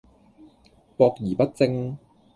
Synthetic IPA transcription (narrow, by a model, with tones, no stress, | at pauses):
pɔː˧k̚jiː˨˩pɐ˥t̚t͡sɪ˧ŋ